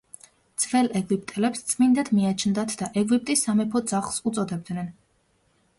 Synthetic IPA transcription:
d̪z̥vɛlɛɡip̚ʰt̪ʼɛlɛpst̪sʼmind̪ad̪miat͡ʃʰnd̪at̪ʰd̪aʔɛɡip̚t̪ʼisamɛpʰɔd̪zaχlˠsut̪sʼɔd̪ɛb̚d̪nɛn

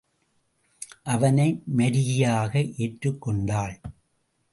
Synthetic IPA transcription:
ʔɐʋɐnɐɪmɐɾɪjɪjaːɣɐʔeːʈrɯkːɔɳɖaːɭ

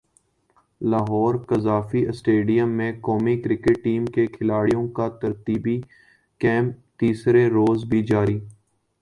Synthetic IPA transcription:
laːɦɔːɾkəzaːfiʔɪsʈeːɖijəmːẽkɔːmikɾɪkɪʈʈːiːmkekʰɪlaːɽijõkat̪ɐɾt̪iːbi | kɛ̃ːmt̪iːsɾeɾoːzbʱid͡ʒaːɾiː

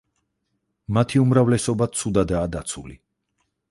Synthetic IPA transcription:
mat̪ʰiumɾavlɛsɔbat̪sʰud̪ad̪aːd̪at̪sʰulḭ

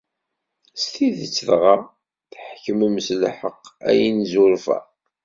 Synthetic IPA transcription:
st̪iðət͡sːðʁɑ | θħkːəməmslħəqːæ̰jinzuɾfæ̰

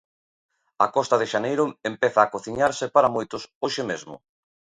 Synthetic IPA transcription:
akɔst̪ɐðɪʃanejɾʊempɛθaːkoθiɲaɾsɪpaɾamojt̪ʊsoʃɪmezmʊ̰

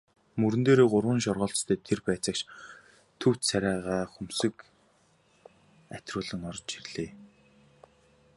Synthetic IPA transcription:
mɵɾɘ̆nt̪eːɾeːɢʊrwə̆nʃɔrʁɔːɬt͡st̪ʰeːt̪ʰerpæːt͡sə̆kt͡ɕ | t̪ʰɵw̥t̪sæɾʲæːʁaːχɵmsɘ̆k | æt̪rʊːɮə̆ŋɔrt͡ɕirɮ̥eː

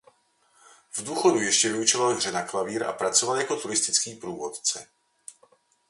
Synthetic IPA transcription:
vduːxo̞dujɛʃcɛvɪut͡ʃovalɦr̝ɛnaklaviːɾʔa̰pɾat͡so̞valjakot̪uɾɪst̪ɪt͡skiːpɾuːvo̞t̪t͡sɛ̰

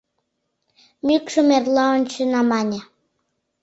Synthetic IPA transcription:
mʲykʃəmerlɑont͡ɕø̆nɑmɑnʲa

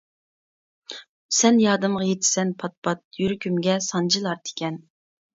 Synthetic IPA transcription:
sɛnjɑːd̪ɨmʁɑjet̪ʰɪ̥sɛnpʰɑt̪̚pɑt̪̚jyɾkʲʰymɡʲɛsɑnd͡ʒilˠɑɾt̪ʰɪ̥kʲʰɛn

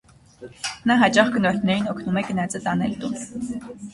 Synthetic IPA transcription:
naɦat͡ʃaχɡnɔr̥ʲt̪ʰneɾiːnokʰnumɛknæt͡sə̆t̪anɛlt̪un

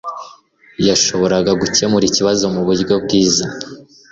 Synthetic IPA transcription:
jaʃo̞βo̞ɾaɡaɡuce̞muɾiciβazo̞muβuɾɡobɡiːza

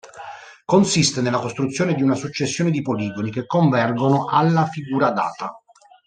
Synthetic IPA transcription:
konsist̪enelːakost̪ɾut̪sːjoːned̪iunasut͡ʃːesːjoːned̪ipoliːɡonikekːoɱvɛrɡonoʔalːafiɡuːɾad̪a̰ːt̪a

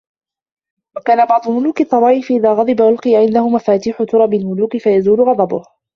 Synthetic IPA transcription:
wakaːnabɑʕd̪ˤʊlmʊluːkɨt̪ˤːɑbɑːʔɪfʔɪðaːɣɑd̪ˤɨbaʔʊlqɨjaʕɪnd̪ahʊmafaːt̪iːħʊt̪ʊɾˤɑbɪlmʊluːkɪfajazuːlʊɣɑd̪ˤɑbʊh

